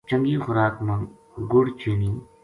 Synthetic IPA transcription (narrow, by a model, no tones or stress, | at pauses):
t͡ʃɐ̃ŋɡixʊɾaːkmɐŋ | ɡʊɽt͡ʃiːniː